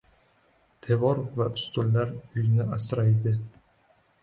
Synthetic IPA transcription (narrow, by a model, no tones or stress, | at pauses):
t̪ʰe̞vɒɾvaʊst̪olːaɾʊjnɪʔasɾajd̪ɪ